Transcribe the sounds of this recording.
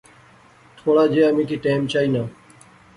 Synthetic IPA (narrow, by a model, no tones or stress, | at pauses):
t̪ʰoːɽaːd͡ʒeːəmĩːkʰiːʈaːmt͡ʃʰaːiːnaː